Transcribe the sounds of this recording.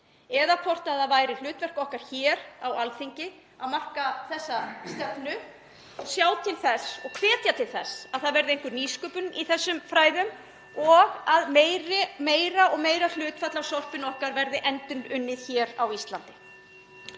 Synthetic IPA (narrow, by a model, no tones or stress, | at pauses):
ɛðakʰvɔr̥t̪aðaðvaːjɾɪl̥ʏːt̪vɛr̥kɔhkaɾ̥çɛːɾawalθiɲcɪ | aðmar̥kaθɛsːast̪ɛpnʏ | sjaːwt̪ʰɪlθɛsɔ̰ɣkʰvɛːt̪jat̪ʰɪlθɛsaðθaðvɛɾðɪejŋkʏɾniːskʏːpʏniθɛsːʏmfɾaːjðʏm | ɔɣaðmeɾɪmeːjɾaʔɔɣmeːjɾal̥ʏːt̪fat̪lawsɔr̥pɪnɔhkaɾvɛɾðɪʔɛnt̪ʏnʏnːɪðçɛːɾawist̪lant̪ɪ̥